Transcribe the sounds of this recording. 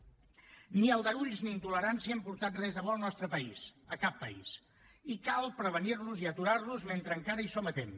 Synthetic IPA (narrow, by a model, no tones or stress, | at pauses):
niəlˠdəɾuʎzniːnt̪uləɾansiəəmpuɾt̪at̪̚rɛzðəβɔlˠnɔst̪ɾəpəisəkapːə̰ḭs | ikalˠpɾəβəniɾluziət̪uɾaɾluzment̪ɾəŋkaɾəisomət̪em